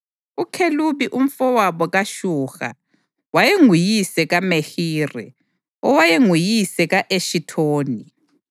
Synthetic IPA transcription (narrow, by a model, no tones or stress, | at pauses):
ukʰeluβiʔum̩fɔwaβɔɣaʃuːɣa̰ | wajeŋujisɛɣamexiːrɛ̰ | ɔwajeŋujisɛɣaʔeʃitʰoːni